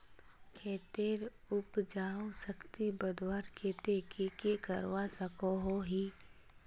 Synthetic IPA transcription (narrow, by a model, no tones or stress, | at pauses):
kʰeːt̪eːɾ | ʊpd͡ʒaːosəkt̪ibəd̪waːɾkʰeːt̪ekekekəɾwasəkoɦoɦiː